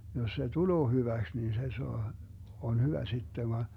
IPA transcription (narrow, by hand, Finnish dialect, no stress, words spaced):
jos se tuloː hyʋæks nin se soɑ on hyʋæ sitːe ʋɑ